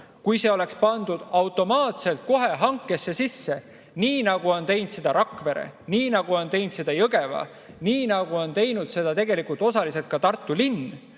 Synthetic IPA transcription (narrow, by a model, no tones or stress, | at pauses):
kujse̞o̞le̞kspɑnd̪̥ud̪̥ɑwt̪ːˑo̞mɑːt̪se̞lt̪̚ko̞ɦe̞ɦɑŋkːˑe̞sːe̞sisːe̞ | niːnɑɡ̥uo̞nt̪e̞jnd̪se̞d̪̥ɑɾʔɑkˑve̞ɾḛniːnɑɡ̥uo̞nt̪e̞jnt̪se̞d̪̥ɑjɤɡ̥e̞vɑ̰ | niːnɑɡ̥uo̞nt̪e̞jnud̪̥se̞d̪̥ɑt̪e̞ɡ̥e̞likult̪o̞sɑlise̞lt̪̚kɑt̪ɑrt̪ːˑulinː